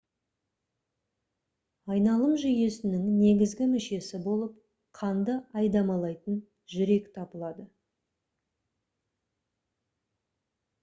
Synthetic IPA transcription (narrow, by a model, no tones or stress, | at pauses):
ɑjnɑlˠəmʒʏje̞sɪnɪŋne̞ɡʲɪzɡʲɪmʏʃe̞sɪbo̞lˠəp̚ | qʰɑnd̪əɑjd̪ɑmɑlˠɑjt̪ən | ʒʏɾe̞kt̪ʰɑpəlˠɑd̪ə